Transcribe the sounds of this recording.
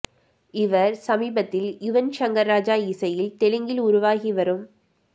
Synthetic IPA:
ɪʋɐɾsɐmiːbɐt̪ːɪljʊʋɐnʃɐŋɡɐɾːaːd͡ʒaːisɐjɪlt̪ɛlɯŋɡɪlʊɾʊʋaːɣiʋɐɾɯm

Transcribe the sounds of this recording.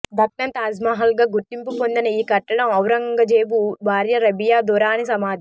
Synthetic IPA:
d̪ʱɐk̚nɐnt̪aːd͡ʒmaːɦɐlɡaːɡuɾʈːimpupond̪inɐiːkɐʈːɐɽɐmɐwɾɐŋɡɐd͡ʒeːbubʱaːɾjɐɾɐbijaːd̪uːɾaːnisɐmaːd̪ʱi

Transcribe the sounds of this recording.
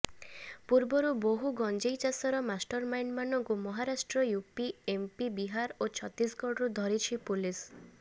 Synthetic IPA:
puɾbɔɾuboɦuɡɔnd͡ʒejt͡ʃasɔɾɔmasʈɔɾmajnmanɔŋkumɔɦaɾasʈɾɔjupiempibiɦaɾot͡ʃʰɔt̪ːisɡɔɽɾud̪ʱɔɾit͡ʃʰipulis

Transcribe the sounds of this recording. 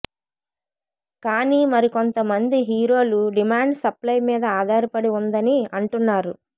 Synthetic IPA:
kaːniːmɐɾiko̞nt̪ɐmɐnd̪iɦiːɾo̞ːluɖimaːɳɖsɐplɐjmiːd̪ɐaːd̪ʱaːɾɐpɐɽiund̪ɐniɐɳʈunːaːɾu

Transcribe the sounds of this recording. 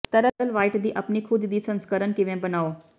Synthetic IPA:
t̪ɐɾəd̪əlʋaːɪʈd̪iːʔɐpnikʰʊd̪d̪iːsə̃nskəɾənkɪʋẽbənaːo

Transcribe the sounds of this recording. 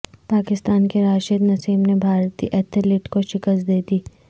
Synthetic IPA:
paːkɪst̪aːnkeɾaːʃəd̪nɐsiːmnebʱaːɾt̪ḭʔɛːt̪ʰɪlɪʈkoʃɪkəst̪̚d̪eːd̪iː

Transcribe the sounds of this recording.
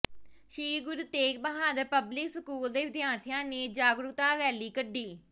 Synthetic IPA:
ʃiːɡʊɾuːt̪eːk̚bəɦaːd̪əɾpəblɪksəkuːld̪eːʋɪd̪jaːnt̪ʰɪjãːneːd͡ʒaːɡɾʊkt̪aːɾɛːliːkəɖːiː

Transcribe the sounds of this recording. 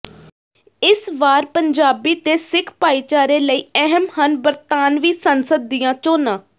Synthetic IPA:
ɪsʋaːɾpəɲd͡ʒaːbiːt̪eːsɪkʰpaːiːt͡ʃaːɾeːləiːɛɦəmhənbəɾt̪aːnʋiːsənsəd̪ːijãːt͡ʃoːnãː

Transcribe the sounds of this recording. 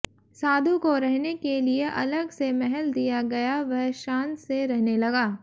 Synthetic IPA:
saːd̪ʱũkoɾɛɦnekelieʔɐ̰ləɡsemɛɦɛld̪ijaɡɐjaʋɐɦʃãːnseɾɛɦnelɐɡaː

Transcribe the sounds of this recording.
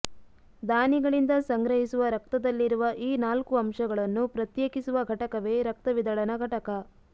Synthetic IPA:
d̪aːniɡɐɭind̪ɐsɐŋɡɾɐɦisuʋɐɾɐk̚t̪ɐd̪ɐlːiɾuʋɐʔiːnaːlkuɐmʂɐɡɐɭɐnːupɾɐt̪jeːkisuʋɐɡʱɐʈɐkɐʋe̞ːɾɐk̚t̪ɐʋid̪ɐɭɐnɐɡʱɐʈɐkɐ

